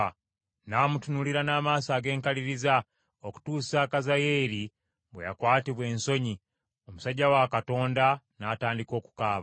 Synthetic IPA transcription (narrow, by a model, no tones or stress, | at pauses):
naːmutunuliɾanaːmaːsaːɡe̞ːŋkaliɾiza | oku̥tuːsakazajeɾi | bwḛja̰kwaːtiβwe̞ːnso̞ɲi | omusaɟːawakato̞ːnda | naːtaːndiko̞ːku̥kaːβa